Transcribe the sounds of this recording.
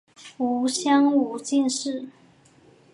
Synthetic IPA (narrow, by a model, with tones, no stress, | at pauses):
u˧˥ɕjɑ˥ŋu˧˥t͡ɕi˥˧nʂɻ̩˥˩